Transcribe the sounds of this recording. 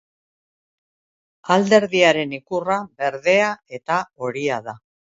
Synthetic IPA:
ald̪e̞ɾðiaɾe̞nikuraβe̞ɾðe̞ae̞t̪ao̞ɾiaða

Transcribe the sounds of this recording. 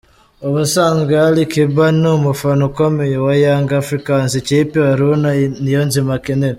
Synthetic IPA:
oβusaːŋɡealikiβanumufanukomijowajaːŋɡafɾikansit͡ʃipiwaɾunanijonzimakine

